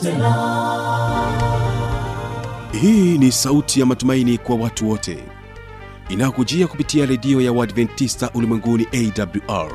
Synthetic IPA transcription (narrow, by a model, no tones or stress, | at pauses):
hiːnisautʰijamatumainikwawatuwɔtʰɛ̰ | inajɔkud͡ʒiakupitiaɾɛɗiɔjawadvɛntːistaʔulimwɛŋɡuniʔɛidabluʔa̰ɹ